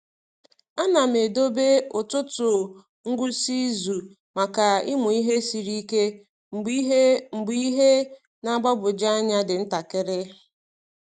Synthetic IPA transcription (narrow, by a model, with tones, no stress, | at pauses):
a˦na˨me˨do˦be˦ʊ˨tʊ˦tʊ˨ | ŋ̩˦ɡʷu˦si˦zu˨ | ma˨ka˨ɪ˦mʊ˨i˦ɦe˦si˨ɾi˦ke˦ | m̩˨˦m̩˨ɡ͡bi˦ɦe˦ | na˦ɡ͡ba˦bʊ˨d͡ʒa˦ɲa˦dɪ˨n̩˦ta˨kɪ˦ɾɪ˦